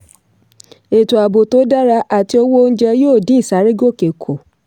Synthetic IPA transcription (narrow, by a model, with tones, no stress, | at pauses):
e˨tu˨a˨bo˨to˨˦da˦ɾa˧ʔa˨ti˧˦o˧wo˦˧n̩˦d͡ʒɛ˧˦joː˦˨dĩ˨˦i˦˨sa˨˦ɾi˦ɡo˦˨ke˨kʰo˨